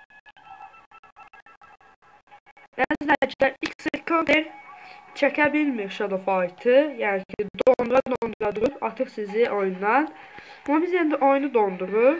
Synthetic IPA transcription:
æzlæd͡ʒid̪æiksilkʰod̪eɾt͡ʃʰæcʰæbilmiɾʃɑd̪ofɑjt̪ʰɯjæːnicʰid̪onɾɑd̪ond̪uʁɑd̪uɾupɑɾt̪ʰɯχsiziʔojund̪ɑnmɑbizend̪iʔo̞jnud̪ond̪uʁu

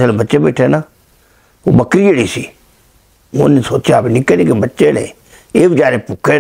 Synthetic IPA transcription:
selbətːʃeːbɛːʈʰenaː | o̰ːbəkɾiːeɽiːsiː | ʊnisoːt͡ʃjaːbnɪkenikebətːʃeːnḛː | eːbɪd͡ʒaːɾeːpʊkːe

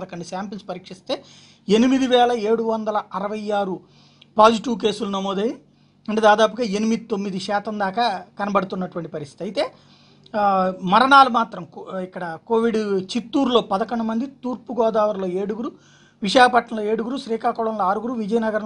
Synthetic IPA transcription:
d̪ɐkɐɳɖusaːmpinspɐɾiːkʂist̪e̞ː | enimid̪iʋɛːlɐeːɽuʋɐnd̪ɐlɐɐɾɐʋɐjaːɾu | paːd͡ʒiʈiʋk̬e̞ːsulunɐmoːd̪ɐji | ɐɳʈeːd̪aːd̪aːp̬uɡaːe̞nimid̪it̪omːid̪iʃɛːt̪ɐmd̪aːkaːkɐnɐbɐɽɐt̪unːɐʈuʋɐɳʈipɐɾist̪i̥t̪iɐjt̪e̞ː | mɐɾɐɳaːlumaːt̪ɾɐmikːɐɽɐkoːʋiɖt͡ʃit̪ːuːɾlo̞ːpɐd̪ɐkɐɳɖumɐnd̪it̪uːɾpuɡɔːd̪aːʋɐɾlo̞ːeːɽuɡuɾu | ʋiʃaːkɐpɐʈːɳɐmloe̞ːɽuɡuɾuʃɾiːkaːkɔːɭɐmloːaːɾuɡuɾuʋid͡ʒɐjɐnɐɡɐɾɐ

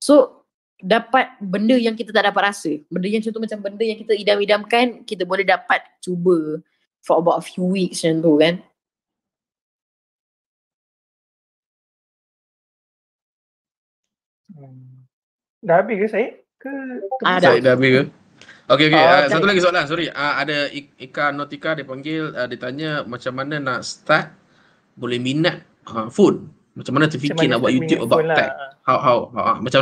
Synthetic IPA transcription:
so | dapat̪̚bəndəjaŋkit̪ət̪aʔdapat̪̚rasəbəndəjaŋt͡ʃɔnt̪umat͡ʃambəndəjaŋkit̪əidamidamkankit̪̬əbolɛhdapat̪̚t͡ʃubə | fɔəbawtəfjuwik̚sant̪̬ukan | daabikəsaji | kə | adabikə | okeokeəsat̪ulaɡis̬lans̬ɔɾiʔəadəiikanɔt̪ikadipaŋɡɪlədit̪aɲəmat͡ʃamːananaʔst̪ak̪̚ | bolɛhminat̪̚ | əfon | mat͡ʃamanat̪əfikinaʔbwaʔjut̪jupəbaɛ̰k̚hawɦawɦaʔa̰mat͡ʃam

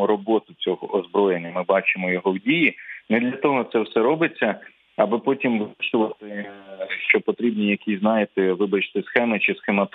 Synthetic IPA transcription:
ɔɾɔbɔt̪ʊt͡sʲɔɦɔʔɔzbɾɔjenʲːɐmɪbɑt͡ʃɪmɔjɔɦɔwdʲijinɛd̪lʲɐt̪ɔɦɔt̪sɛwsɛɾɔbɪt͡sʲːɐ | ɐbɪpɔtʲimʋɪt͡ʃʊʋɐt̪ɪʃt͡ʃɔpɔt̪ɾʲibnʲijɐkʲiznɑjɪt̪ɪʋɪbɐt͡ʃt̪ɪsxɛmɪt͡ʃɪsxemɐt̪

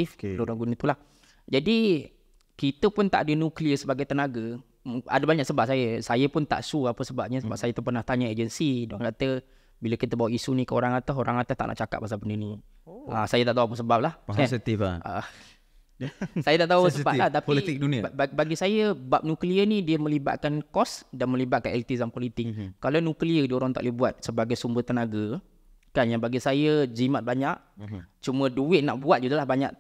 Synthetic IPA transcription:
ifdoɾaŋɡunət̪ulah | d͡ʒadi | kit̪əpʊnt̪a̰ʔadənukliəsəbaɡajt̪ənaɡə | ma̰dəbaɲaʔksəbap̚sajəsajəpʊnt̪a̰ʔsuapəsəbap̚ɲəsəbap̚sajət̪əpərnaht̪aɲaed͡ʒənsidoankat̪ə | biləkit̪əbawaʔisunĩkəoɾaŋat̪əɦoɾaŋat̪ət̪aʔna̰ʔt͡ʃakat̪̚mas̬apənini | sajət̪aʔt̪auapəsəbap̚lahɛsit̪ifa̰ | sajat̪aʔt̪ausəbalaht̪apiliik̚dunibaɡisajəbap̚nukliənidiəmə̃liba̰t̪̚kankɔsdanmə̃libat̪̚kanɛlt̪izampɔlit̪ɪk̚kalanukliədioɾaŋt̪a̰ʔlebuat̪̚səbaɡajsumbət̪ənaɡə | kanjaŋbaɡisajəd͡ʒimat̪̚baɲaʔ | t͡ʃumə̃duɪt̪̚naʔbuat̪̚d͡ʒuɡalahbaɲa̰ʔ

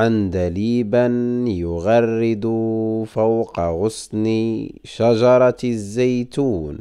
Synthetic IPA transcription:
ʕand̪aliːbanjʊɣɑrːɪd̪ʊfawqɑɣʊsˤni | ʃaʒɑɾˤɑzːajt̪uːn

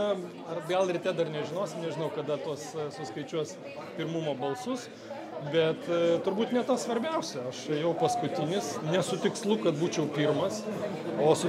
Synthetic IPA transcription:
ɐrɡɐlˠɾʲɪt̪ʲɛd̪ɐrnʲɛʒʲɪnoːsʲɪmnʲɛʒʲɪnɐʊkɐd̪ɐt̪uɔssʊskɐɪt͡ʃʲuɔs | pʲɪɾmʊmoːbɐlˠsʊs | bʲɛt̪t̪ʊɾbuːt̪nʲɛt̪ɐsʋɐɾʲbʲɛʊsʲɛɐʃjɛʊpɐskʊt̪ʲɪnʲɪsnʲɛsʊt̪ʲɪkslˠʊkɐt̪̚buːt͡ʃʲɛʊpʲirmɐs | oːsʊ

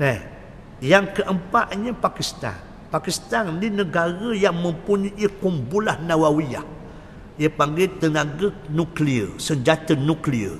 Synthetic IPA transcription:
nɛh | jaŋkəʔəmpaʔɲəpakist̪a̰n | pakist̪anlinəɡaɾəjaŋməmpuɲəʔəkumbulahnawawiah | jəpaŋɡet̪ənaɡənukliə̰səɲd͡ʒat̪ənukliə̰

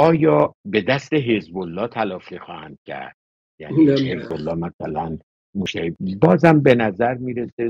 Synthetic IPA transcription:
ɒːjɒːbe̞d̪æst̪e̞ɦezbolːɒːt̪ʰælɒːfixɒːhænd̪̥̚cʲʰæ̰ɾd̪̥̚ | jæ̰ːniezbolːɒːmæsælæn | moʃt̪æɾibɒːzæmbe̞næzæɾmiːɾese

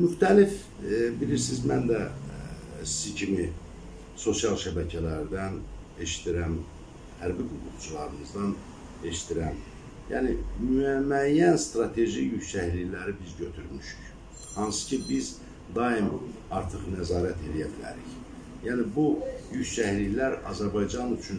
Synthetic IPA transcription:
myxt̪ʰælif | biliɾsizmænd̪æ | si̥zicʰimi | so̞sjɑlˠʃæbæcʰælæɾd̪æn | e̞ʃi̥t̪ʰiɾæm | hæɾbiɡuɣuχt͡ʃʰulˠɑɾɯnɯzd̪ɑn | e̞ʃi̥t̪ʰiɾæm | jæ̰ːnimyæmːæjːænst̪ɾɑt̪ʰe̞ʒijycsæhlilæɾibizɟø̞t̪ʰyɾmyʃy̥c | hɑnsɯ̥cʰibiz | d̪ɑim | ɑɾt̪ʰɯχnæzɑːɾæt̪ʰe̞lijæbilæ̰ɾḭç | jæːnibujycsæhlilæɾɑ̰zæɾbɑjd͡ʒɑnyt͡ʃʰyn

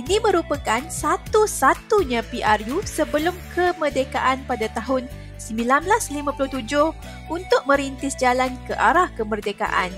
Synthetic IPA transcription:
inimə̃ɾupəkansat̪usat̪uɲãpiʔarjusəbəlʊmkʰəmərdekaʔanpadat̪aɦʊn | səmbilanblaslimãpulʊht̪ud͡ʒʊh | unt̪ʊk̚mə̃ɾint̪ɪsd͡ʒalankəʔaɾahkəmərdeka̰ʔa̰n

